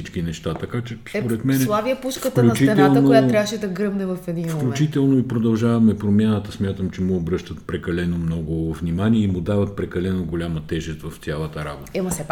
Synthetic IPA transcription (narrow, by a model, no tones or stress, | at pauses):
sit͡ʃkinɛʃt̪at̪ɐkat͡ʃɛspoɾɛt̪mɛnɛlˠaviɐpuʃfkət̪kɐluɐst͡ʃiɛt̪ɛalˠnəojat̪ɾavəʃɛd̪ɐɡɾɤbnɛvɐfɛd̪infklʲut͡ʃit̪ɛlˠnoipɾod̪ɐlˠʒavɐmɛpɾomjanət̪əsmʲjat̪əmt͡ʃɛmʊːbɾɤʃt̪ət̪̚pɾɛkɐlɛnomnɔɡʊvnʲimaniɛimʊd̪avɐt̪̚pɾɛkɐlɛnoɡolʲamɐt̪ɛʒɛst̪vɐft̪sʲalˠət̪əɾa̰bot̪əimɐsɛ